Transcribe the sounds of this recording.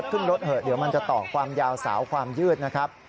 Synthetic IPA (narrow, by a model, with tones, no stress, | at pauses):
t̪̚kʰɯ˥˩nɾo˦˥t̪̚hɤː˨˩t̪̚diː˨˩˦əwma˧nt͡ɕa˨˩t̪ɔː˨˩kʰwaː˧mjaː˧wsa̰ː˩˦wkʰwaː˧mjɯː˥˩t̪̚na˦˥kʰɾa˦˥p̚